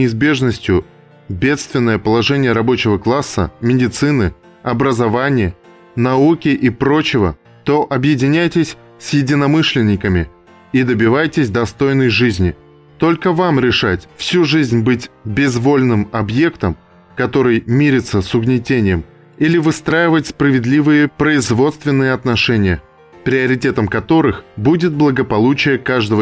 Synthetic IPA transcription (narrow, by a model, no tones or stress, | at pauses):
ɪɪzbʲe̞ʐnəsʲtʲjʊ | bʲe̞t̪st̪vʲɪnːəjəpəlˠɐʐɛnʲɪjəɾɐbo̞t͡ɕɪvəklˠasːə̰mʲɪdʲɪt̪sɨnɨ | ɐbɾəzɐvanʲɪjə | nɐukʲɪʔipɾo̞t͡ɕɪvə̰ | t̪o̞ʔɐbjɪdʲɪnʲæjtʲɪsʲ | sjɪdʲɪnɐmɨʂlʲɪnʲːɪkəmʲɪ | id̪əbʲɪvajtʲɪsʲd̪ɐst̪o̞jnːəjʐɨzʲnʲɪ | t̪o̞lʲkəvamɾʲɪʂatʲfsʲuʐɨzʲnʲbɨtʲbʲɪzvo̞lʲnɨmɐbje̞kt̪əm | kɐt̪o̞ɾɨjmʲiɾʲɪt̪səsʊɡnʲɪtʲenʲɪjəm | ilʲɪvɨst̪ɾajɪvətʲspɾəvʲɪd̪lʲivɨjəpɾəɪzvo̞t̪st̪vʲɪnːɨjəɐt̪nɐʂɛnʲɪjə | pɾʲɪɐɾʲɪtʲe̞t̪əmkɐt̪o̞ɾɨxbudʲɪt̪̚blˠəɡəpɐlˠut͡ɕɪjəkaʐd̪əvə